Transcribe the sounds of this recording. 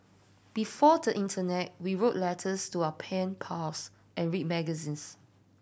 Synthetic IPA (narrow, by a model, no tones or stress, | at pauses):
b̥ifɔdəʔĩntʰənɛt̚wiɹoʔ̚lɛtʰəstuaəpʰɛ̃npʰas | ʔɛ̃nɹit̚mɛɡəzĩns